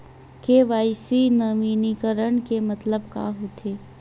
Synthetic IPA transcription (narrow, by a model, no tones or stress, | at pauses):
keʋaːɪsinɐʋiːnikəɾəɳ̃kemɐt̪ləb̚ka̰ːɦot̪ʰeː